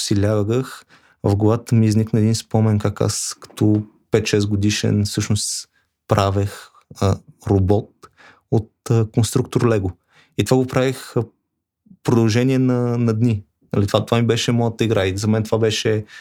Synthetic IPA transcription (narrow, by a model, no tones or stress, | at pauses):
silʲavəɡəx | vəvɡoat̪əmiːzniknəɛd̪inspɔmɛnkaka̰skɐ̥t̪ʰɔ | pɛt̪ʃɛs̬ɡod̪iʃɛ̰nfsɤʃnost̪ | pɾavɛx | əɾobɔt̪̚ | ot̪̚əkonst̪ɾuk̚t̪oɾlɛɡo | it̪ovaɡopɾavix | pɾod̪ɐlˠʒɛnʲiɛnɐnɐd̪nʲi | nɐlit̪vat̪ovamibɛʃɛmɔjət̪əiɡɾaizɐmɛnt̪ovabɛʃɛ